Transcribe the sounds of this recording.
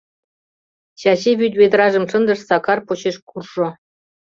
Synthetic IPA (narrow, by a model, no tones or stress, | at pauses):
ɕɑɕeβʲyt̪ʲβʲed̪rɑʐɤ̆mʂɤ̆nd̪ɤ̆ʂsɑkɑrpot͡ɕeʃkurʐɤ̆